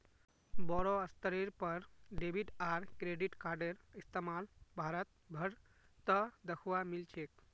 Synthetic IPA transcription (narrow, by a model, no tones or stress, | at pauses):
bɔɾoəst̪əɾeɾpəɾɖebʱiʈaɾkɾeɖiʈkaɾɖeɾist̪emalbʱaɾət̪̚ | bʱəɾ | t̪əd̪əkʰʋamilt͡ʃʰek